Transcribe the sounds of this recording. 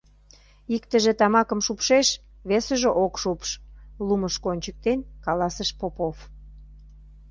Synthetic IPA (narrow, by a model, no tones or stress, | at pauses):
ikt̪əʒĕt̪ɑmɑkə̆mʃupʃeʃ | βesə̆ʒeʔokʃupʃluməʃkonʲt͡ɕək̚t̪enkɑlɑsəʃpopof